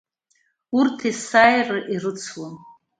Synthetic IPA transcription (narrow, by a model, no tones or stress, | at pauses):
urtʰisajrɨʔirɨt͡sʰwan